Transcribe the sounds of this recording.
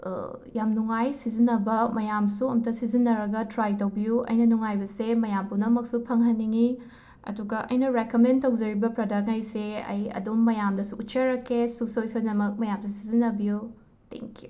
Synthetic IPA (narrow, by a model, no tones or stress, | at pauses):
jamnuŋajsizinɐbɐmɐjamsuɐmtɐsizinːɐɾɐɡɐtɾajtɐwbijuɐ̰jnɐnuŋajbɐsemɐjampunɐmɐksupʰɐŋɦɐnːiŋi | ɐ̰duɡɐʔɐ̰jnɐɾekomentɐwd͡ʒɐɾibɐpɾɐdɐk̚ɐjseɐ̰jɐ̰dumːɐjamdɐsuːt̚t͡ʃɐɾɐkʰːesuk̚sojsojnɐmɐk̚mɐjamsusizinːɐbiju | tḛŋkiju